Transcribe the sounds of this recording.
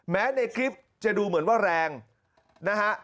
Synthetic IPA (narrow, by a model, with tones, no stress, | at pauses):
mɛː˦˥na˧jkʰli˦˥p̚ | t͡ɕa˨duː˧mɯ˨˩˦ənwaː˥˩ɾɛː˧ŋ | na˦˥kha˦˥ʔ